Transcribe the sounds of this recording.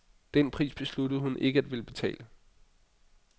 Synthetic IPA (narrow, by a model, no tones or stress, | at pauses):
d̥enpʰʁḭːsb̥e̝sludð̩ˠhunʔe̝ɡ̥əæd̥ʋe̝ləb̥e̝t͡sʰɛ̰ːlə